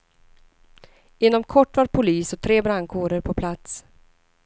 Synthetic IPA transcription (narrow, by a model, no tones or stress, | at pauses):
ɪnːɔmkʰɔʈːvaɾpʰʊliːsɔt̪ʰɾeːbɾaŋkʰoːɖəɾpʰɔpʰlat̪s